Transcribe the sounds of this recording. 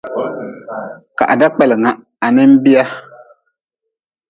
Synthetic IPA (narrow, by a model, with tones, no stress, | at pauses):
ka̰˨ʔa˨da˦k͡pɛ˨lɪ˨ŋa˦˨ | a˨nɪ˦m̩˦bi˦a˦